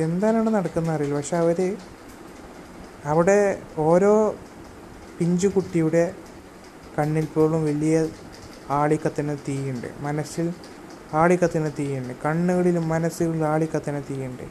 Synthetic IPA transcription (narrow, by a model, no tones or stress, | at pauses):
e̞nd̪aːnaːɳɨnɐɽɐkːunːɐɐrijalpɐkʂe̞ɐʋɐɾe | ɐʋiɽe̞o̞ːɾo̞ː | piɲd͡ʑukuʈːijuɽe̞ | kɐɳːilpo̞ːɭumʋɐɭijɐ | aːɭikːɐt̪ːinɨt̪iːjuɳɖɨ̰mɐnɐsil | aːɭikːɐt̪ːinɨt̪iːjuɳɖɨkɐɳːuɣɐɭilumːɐnɐsuɣɐɭilaːɭikːɐt̪ːinɨt̪iːjuɳɖɨ̰